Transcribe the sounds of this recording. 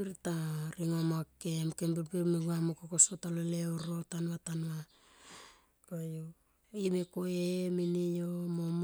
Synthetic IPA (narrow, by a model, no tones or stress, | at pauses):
iɾitaɾiŋomakemkembilbimeɡuamokokosotaloleoɾo̞tanwatanwa | kojo | imekoeminijomom